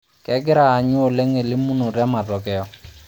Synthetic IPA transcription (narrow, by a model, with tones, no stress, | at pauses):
kɛ˨˦ɡɪ˦ɾaː˨ɲʊ˦o˨le˦ŋe˨lɪ˦mu˦no˨ɾɛ˦ma˨tɔ˨kɛ˨ɔ˦˨